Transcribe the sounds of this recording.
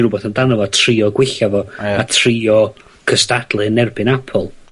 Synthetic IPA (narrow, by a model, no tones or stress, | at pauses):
rʊbɔθəndanɔvɔtʰriːɔɡwɪɬavɔatʰriɔ | kʰəstad̥lˠɨnɛrbɨnapʰɔlˠ